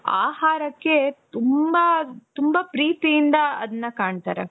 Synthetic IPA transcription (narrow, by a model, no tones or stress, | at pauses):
a̰ːhaːɾɐkːe̞t̪umbɐt̪umbɐpɾiːt̪ijind̪ɐɐd̪ɐnːɐkaːɳt̪a̰ːɾe